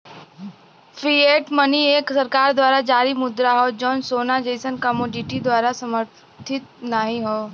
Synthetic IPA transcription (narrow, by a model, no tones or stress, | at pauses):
fʰɾieːʈmənieːksɐɾkaːɾd̪waːɾad͡ʒaːɾimʊd̪ɾaɦod͡ʒɔːnsoːnad͡ʒeːsənkɐmoːɖɪʈid̪waːɾasɐməɾ | t̪ʰɪt̪̚naɦĩɦoː